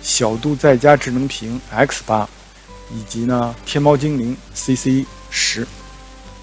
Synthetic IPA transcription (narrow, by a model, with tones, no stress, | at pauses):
ɕjɑ˨˩ʊt̪u˥˧t͡sa˥˩ɪt͡ɕja˥ʈ͡ʂɻ̩˥˩nɤ˧˥ŋpʰi˧˥ŋɛ˥kʰspa˥ | i˨˩t͡ɕi˧˥nə˧t̪ʰjɛ˥˧nmɑ˥ʊt͡ɕi˥ŋli˧˥ŋ | si˥si˥ | ʂɻ̩˧˥